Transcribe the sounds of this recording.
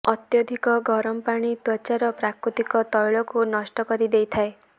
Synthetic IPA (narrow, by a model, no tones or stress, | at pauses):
ɔt̪jɔd̪ʱikɔɡʱɔɾɔmpaɽ̃it̪ɔt͡ʃaɾɔpɾakɾut̪ikɔt̪ɔjɭɔkunɔsʈɔkɔɾid̪ejt̪ʰae